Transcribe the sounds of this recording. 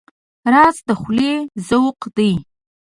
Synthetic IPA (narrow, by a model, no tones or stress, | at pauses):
ɾɑzd̪əxlezəwqd̪̥əj